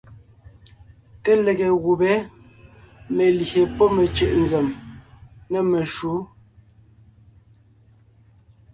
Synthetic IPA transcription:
te˦le˨ɣe˨ɣu˨bɛ˨˦ | me˨lçe˨pɔ˦me˨t͡ʃʉ˨ʔnze˨m | nɛ˨me˨ʃu˨˦

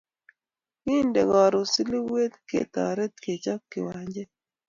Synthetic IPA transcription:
wi˦ndɛ˨ɡɔ˨ɾo˨si˦li˦we˦t̪kḛ˨t̪ɔ̰˨ɾe˦t̪̚ke˨t͡ʃɔ˦kːɪ̰˨wa˨ɲd͡ʒɛ˦

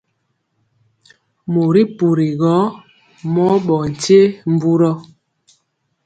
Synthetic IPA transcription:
mo˨ɾi˦pu˨ɾi˨ɣɔ˨˦ | mɔ˦ɓɔ˨n̩˨te˦m̩˦bu˦ɾɔ˦

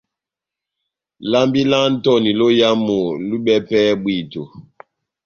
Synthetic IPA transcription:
la˦mbi˦la˦n̩˦tɔ˦ni˨lo˦ja˦mo˨lu˦ɓɛ˦pɛ˦bwi˨to˨

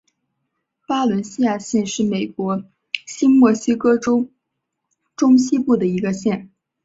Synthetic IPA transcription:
pa˥lwə˧˥nɕi˥ja˥˧ɕjɛ˥˧nʂɻ̩˥˩me˨˩ɪkwɔ˧˥ | ɕi˥nmwɔ˥˩ɕi˥kɤ˥ʈ͡ʂo˥ʊ | ʈ͡ʂʊ˥ŋɕi˥pu˥˩d̪ə˩i˧˥ɡə˧ɕjɛ˥˩n

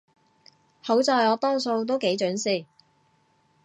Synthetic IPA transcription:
ho˨˥wt͡sɔː˨˧jɔː˨˧t̪ɔː˥ŋso˧wt̪̬o˥wke˨˥jt͡ʃœː˨˥nsiː˨˩

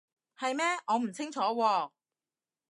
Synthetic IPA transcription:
hɐ˨jmɛː˥ŋɔː˨˧m̩˨˩t͡sʰɪ˥ŋt͡ʃʰɔː˨˥wɔː˧

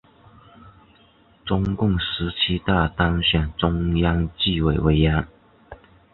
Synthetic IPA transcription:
ʈ͡ʂʊ˥ŋkʊ˥˩ŋʂɻ̩˧˥t͡ɕʰi˥t̪a˥˩t̪ɑ˥ŋɕɥɛ˨˩nʈ͡ʂʊ˥ŋjɑ˥ŋt͡ɕi˥˨we˨˩ɪwe˧˥ɪja˥n

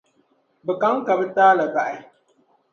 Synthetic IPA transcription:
bɨ˨ka˦ŋ˦ka˨bɨ˦taː˦la˨ba˨ʔa˨

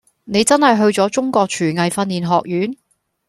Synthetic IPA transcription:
ne˨˧jt͡sɐ˥nhɐ˨jɦɵ˧ɥt͡sɔː˨˥t͡sʊ˥ŋkɔː˧k̚t͡ʃʰyː˨˩ŋɐ˨jfɐ˧niː˨˩nɦɔː˨k̚jyː˨˥n

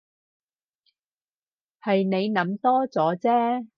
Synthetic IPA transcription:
hɐ˨jne˨˧jnɐ˨˥mt̪ɔː˥t͡sɔː˨˥t͡sɛː˥

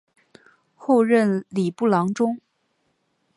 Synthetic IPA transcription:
xo˥˧ʊɻə˥˩nli˨˩pu˥˩lɑ˧˥ŋʈ͡ʂʊ˥ŋ

